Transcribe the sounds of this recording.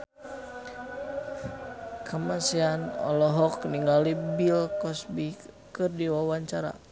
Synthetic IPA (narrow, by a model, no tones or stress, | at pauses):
kʰamasianɔ̰lɔɦɔk̚niŋɡalibilkɔsbi | kɨrdiwawaɲt͡ʃaɾa̰